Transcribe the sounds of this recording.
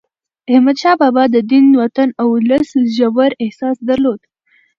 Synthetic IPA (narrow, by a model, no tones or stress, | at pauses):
ahmad̪ʃɑbɑbɑd̪əd̪inwat̪anawləsʒawaɾɪhsɑsd̪aɾlod̪